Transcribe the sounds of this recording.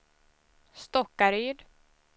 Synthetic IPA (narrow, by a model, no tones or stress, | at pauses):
st̪ɔkːaɾyːd̪